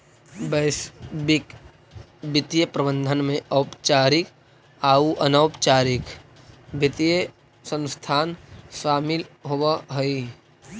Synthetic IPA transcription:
bəɪsbɪk | bɪt̪ijəpɾəbə̃nd̪ʱənmẽʔɐʊpt͡ʃaːɾɪk | aːuʔɐnəːpt͡ʃaːɾɪk | bɪt̪ijə | sə̃nst̪ʰaːnʃaːmɪlɦowaɦəi

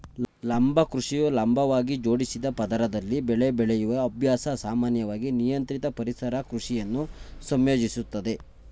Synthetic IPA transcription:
lɐmbʱɐkɾuʂijulɐmbʱɐʋaːɡid͡ʒo̞ːɽisid̪ɐpɐd̪ɐɾɐd̪ɐlːibɛɭebɛɭejuʋɐːbʱjaːsɐsaːmaːnjɐʋaːɡinijɐnt̪ɾit̪ɐpɐɾisɐɾɐkɾuʂijɐnːusɐmjoːd͡ʒisut̪ːɐd̪e̞

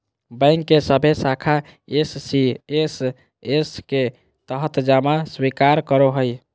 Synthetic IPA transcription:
bə̃jŋkːesəbʱesakʰa | esːies | eske | t̪əɦət̪d͡ʒamaswikaɾkəɾoɦəj

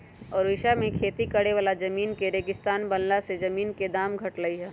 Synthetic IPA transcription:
ɔːɾʋɪʃamẽkʰeːt̪ikəɽeʋaːlad͡ʒɐmiːnkeɾeːɡɪst̪aːnbɐnlased͡ʒɐmiːnked̪aːmɡʱɐʈləiɦɛː

